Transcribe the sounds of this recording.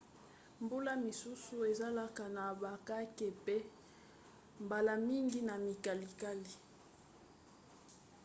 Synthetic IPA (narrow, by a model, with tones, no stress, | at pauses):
mbu˦la˦mi˨su˦su˨e˨za˦la˦ka˨na˨ba˨ka˦ke˨pe˦ | mba˨la˨mi˦ŋɡi˦na˨mi˨ka˨li˨ka˦li˨